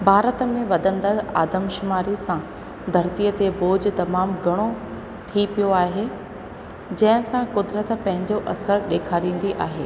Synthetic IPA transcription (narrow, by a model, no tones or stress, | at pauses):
bʱaːɾət̪mẽʋɐd̪ʱə̃nd̪əaːd̪əmʃʊmaːɾisã | d̪ʱɐɾt̪ijət̪eboːd͡ʑ̆t̪ɐmaːmɡʱɐɽ̃o | t̪ʰipijoaːɦe | d͡ʑɐ̃ɦɪ̃sãkʊd̪ɾət̪pɐ̃ɦɪ̃ɲd͡ʑoʔɐsəɾɗeːkʰaːɾĩːn̆d̪iʔaːɦeː